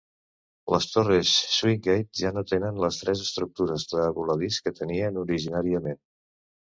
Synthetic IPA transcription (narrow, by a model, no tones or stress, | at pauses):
ləst̪oresːwiŋɡejt̪̚ʒanot̪enənləst̪ɾɛzəst̪ɾuk̚t̪uɾəzðəːβuləðiskət̪əniənuɾiʒinaɾiəmen